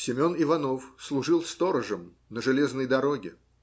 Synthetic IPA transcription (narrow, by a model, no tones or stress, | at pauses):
sʲɪmʲo̞nɪvɐno̞fslˠʊʐɨlˠst̪oɾəʐəm | nəʐɨlʲeznəjd̪ɐɾoɡʲɪ